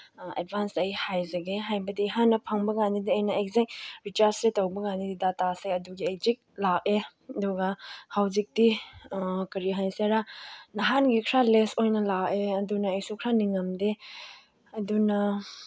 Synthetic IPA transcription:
ḛd̚bʱansɐjhajzɐɡeɦajbɐdiɦanːɐpʰaŋbɐɡanidiɐjnɐejk̚zikɾit͡ʃaɾsɾetowbɐɡandididataseɐduɡiejk̚zik̚lak̚e | ɐduɡɐhawzik̚di | kɐɾiɦajseɾanɐɦanɡikʰɾalesojnɐlakeɐdunɐːjsukʰɾaniŋɐmde | ɐdunɐ

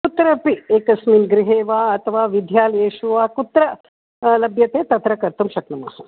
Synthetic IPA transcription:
kut̪ɾɐpieːkɐsminɡɾɪɦeːʋaːɐt̪ʰɐʋaːʋid̪ʱjaːljeːʃuʋaːkut̪ɾɐ | lɐbjɐt̪eːt̪ɐt̪ɾɐkɐɾt̪umʃɐknɐma̰ːsɐ

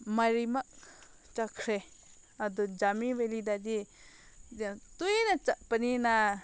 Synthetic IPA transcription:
maɾimaʔ | t͡ʃakʰɾe | ad̪ɔd͡ʒamiwelid̪ad͡ʒi | t̪ujnat͡ʃaʔpənina

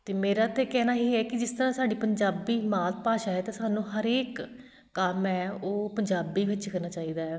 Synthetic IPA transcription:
t̪eːmeːɾaːt̪eːkɛːnaːɦiːɦɛːkɪd͡ʒɪst̪əɾãːsaːɖiːpəɲd͡ʒaːbiːmaːt̪̚paːʃaːɛːt̪ãːsaːnũːɦəɾeːkː | əmɛːoːpəɲd͡ʒaːbiːʋɪt͡ʃkəɾnaːt͡ʃaːiːd̪aːɛː

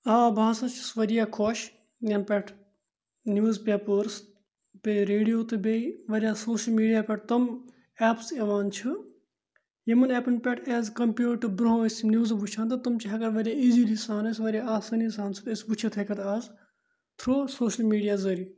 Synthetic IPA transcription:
aːbʱaːsɐt͡ʃʰisʋɐɾijaːkʰoːʃ | jɐnpʲɐʈʰ | njuːzpʲeːpəɾs | pʲeɾeːɖijoːt̪ɨbeiʋɐɾijaːsoːʃəlmiːɖijaːpʲɐʈ̚t̪ɐm | ɛːpseʋaːnt͡ʃʰɨ | jemɐnɛːpɐnpʲɛʈʰɛːzkɐmpjuːʈɨbɾoɦoesinjuːzbut͡ʃʰaːnt̪ɐt̪ɐmt͡ʃiɦɐkɐɾʋɐɾʲjaːiːziːliːsaːnɐsʋɐɾjaaːsɐnisaːnsʰɨesbut͡ʃʰet̪ʰɐkɐt̪aːz | t̪ʰɾoːsoːʃɐlmiːɖijaːzɐɾiː

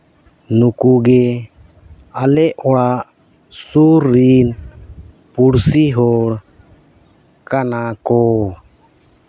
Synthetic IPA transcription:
nukuɡɛ | alɛɔɽaʔ | suɾːin | puɽsiɦɔɽ | kanakɔ

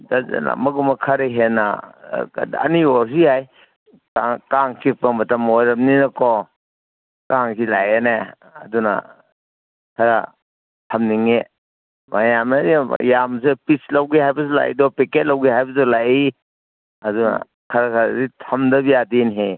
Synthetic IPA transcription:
daz̰la̰mɐɡumɐkʰɐɾeɦena̰ | ɐ̰niɔɾs̬ijaj | kakaŋkʰipamɐtɐmojɾɐm̚ninɐkɔ | kaŋkʰilajene | ɐduna̰ | kʰɐɾa̰ | tʰɐmniŋe | majamaɾijamsepislawɡihajbɐsula̰j̰dɔpiket̚lawɡiɦajbɐzɔlaji | ɐduna̰ | kʰɐɾakʰaɾzitʰɐmdɐbijadinɦe

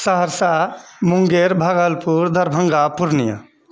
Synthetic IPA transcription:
səɦəɾsamuŋɡeɾbʱaɡəlpuɾd̪ʱəɾbʱəŋɡapuɾnijə̰

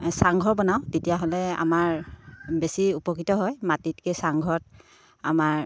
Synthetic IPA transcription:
saŋɡʱɔbɔnaw̃tetijaɦɔlɛa̰maɹbesiupɔkɹitɔɦɔjmatitkɛsaŋɡʱɔt̚ | amaɹ

